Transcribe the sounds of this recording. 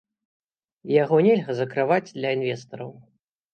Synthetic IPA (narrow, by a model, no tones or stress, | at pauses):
jaɣɔnʲɛlʲɣɐzɐkɾɨvad͡zʲd̪lʲɐinvʲɛst̪ɐɾɐw